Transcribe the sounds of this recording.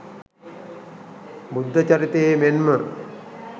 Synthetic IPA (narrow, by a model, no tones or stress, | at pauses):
mud̪ʱːət͡ʃɐɾit̪emenmə